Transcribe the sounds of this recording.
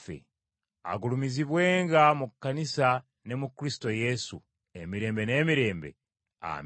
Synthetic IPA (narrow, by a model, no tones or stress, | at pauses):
fḛ | a̰ɡulumiziβwe̞ːŋɡamukːanisa | ne̞mukɾisi̥to̞je̞su | e̞miɾe̞ːmbe̞ne̞ːmiɾe̞ːmbe̞̰ | a̰m